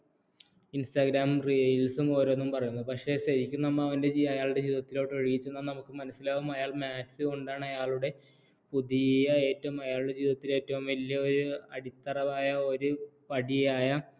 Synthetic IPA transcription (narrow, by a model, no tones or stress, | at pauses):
instaɡɾaːmrijlsumo̞ːɾonːumpɐrɐjunːupɐkʂe̞ːɕɐɾikʲːunːɐmːɐɐʋɐnde̞d͡ʑiɐjaːɭuɽed͡ʑiːðɐt̪ːilo̞ːʈːɐɻiɣit͡ɕːunːaːnɐmukːɨmɐnɐsːilaːʋumɐjaːɭmaːtsɨoɳɖaːɳɐjaːɭuɽe̞ | puðijɐe̞ːtːɐʋumɐjaːɭuɽe̞d͡ʑiːðɐt̪ːile̞ːtːɐʋumʋɐljɐo̞ɾuɐɽit̪ːɐrɐʋaːjɐo̞ɾupɐɽijaːjɐ